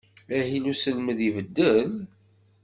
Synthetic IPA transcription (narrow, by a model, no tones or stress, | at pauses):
æɦilusəlməðivəd̪ːəl